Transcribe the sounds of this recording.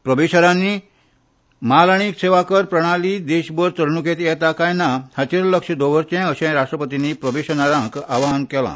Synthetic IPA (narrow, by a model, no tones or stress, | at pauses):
pɾəbeɕəɾãnːi | malaɽ̃ikseʋakəɾpɾəɽ̃alid̪eɕbəɾt̪əɾnuket̪jɛt̪akajnahat͡ɕiɾləkʂəd̪oʋəɾt͡ɕɛ̃əɕɛ̃ɾaʂʈɾəpət̪inipɾəbeɕənaɾãkaʋaɦənkɛlã̰